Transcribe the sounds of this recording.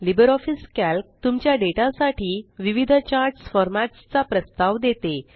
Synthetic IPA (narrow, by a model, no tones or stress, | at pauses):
libəɾɔfiskælk̚t̪umt͡ɕjaɖeʈasaʈʰiːʋiʋid̪ʱt͡ɕaɾsfɔɾmaʈst͡sapɾəst̪aʋd̪et̪e